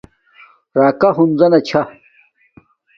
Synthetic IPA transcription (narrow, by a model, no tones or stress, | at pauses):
ɾaːkɐɦunzɐnɐt͡ɕʰa